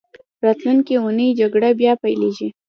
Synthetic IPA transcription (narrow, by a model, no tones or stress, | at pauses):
ɾɑt̪lunkiunəjd͡ʒaɡɽabjɑpajleʒi